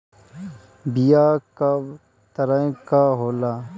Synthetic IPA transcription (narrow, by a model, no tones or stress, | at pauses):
bijaːka | t̪əɾə̃kaɦoːlaː